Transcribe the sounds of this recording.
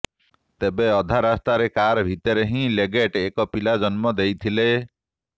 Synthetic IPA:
t̪ebeɔd̪ʱaɾast̪aɾekaɾbʱit̪ɔɾeɦĩleɡeʈekɔpilad͡ʒɔnmɔd̪ejt̪ʰile

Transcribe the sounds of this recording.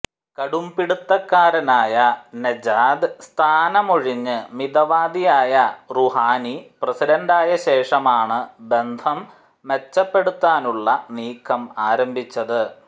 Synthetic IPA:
kɐɽumpiɽut̪ːɐkːaːɾɐnaːjɐned͡ʑaːd̪ɨst̪ʰaːnɐmoɻiɲːɨmid̪ɐʋaːd̪ijaːjɐruɦaːniprɐsidɐnɖaːjɐɕe̞ːʂɐmaːɳɨbe̞nd̪ʰʱɐm | ʋet͡ɕːɐpːe̞ɽut̪ːaːnuɭːɐniːkʰːɐmaːɾɐmbʱit͡ɕːɐðɨ

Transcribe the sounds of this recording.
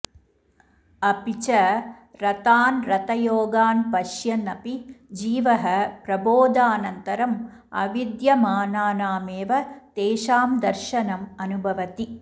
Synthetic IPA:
ɐpit͡ʃɐɾɐt̪aːnɾɐt̪ɐjoːɡaːnpɐʃjɐnɐpid͡ʒiːʋɐɦɐpɾɐboːd̪aːnɐnt̪ɐɾɐm | ɐ̰ʋid̪jɐmaːnaːnaːmeːʋɐt̪eːʃaːmd̪ɐɾʃɐnɐmɐnubʱɐʋɐt̪i

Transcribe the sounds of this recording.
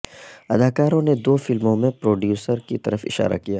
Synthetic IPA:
ɐd̪aːkaːɾõned̪oːfɪlmõmẽpɾoːɖjuːsəɾkit̪ɐɾəfɪ̰ʃa̰ːɾa̰kijaː

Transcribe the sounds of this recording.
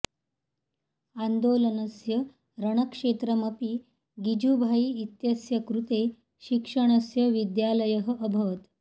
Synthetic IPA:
and̪olənəsjə | ɾəɳ̃əkʂet̪ɾəməpiː | ɡid͡ʑubʱajiːt̪jəsjɐkɾut̪e | ɕikʂəɳ̃əsjəʋid̪jaləjəɦəʔəbʱəʋət̪

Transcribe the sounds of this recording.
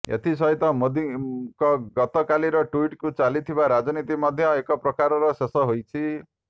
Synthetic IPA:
ḛt̪ʰis̬ʌɦit̪ɔmod̪ikɔɡʌt̪ɔkaliɾʌʈuiʈkut͡salit̪ʰibaɾad͡zɔnit̪imʌd̪ʱjʌekɔpɾɔkaɾɔɾʌsesɔɦojt͡ʃʰi

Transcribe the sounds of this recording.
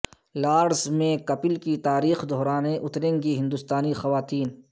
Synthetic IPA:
laːɾsmẽkɐpɪlkit̪aːɾiːxd̪oɦɾaːneʔʊt̪ɾẽːŋɡiɦɪ̃nd̪ʊst̪aːnixɐʋaːt̪iːn

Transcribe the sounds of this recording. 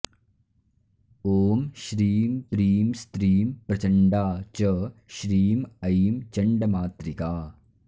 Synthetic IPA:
oːmʃɾiːmpɾiːmst̪ɾiːmpɾɐt͡ʃɐɳɖaːt͡ʃɐʃɾiːmɐimt͡ʃɐɳɖɐmaːt̪ɾikaː

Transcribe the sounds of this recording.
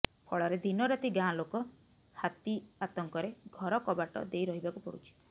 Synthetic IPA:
pʰɔɭɔɾed̪ʱinɔɾat̪iɡãlokɔ | hat̪iat̪ɔŋkɔɾeɡʱɔɾɔkɔbaʈɔ̰d̪ejɾɔɦibakupɔ̰ɽṵt͡ʃʰi̥

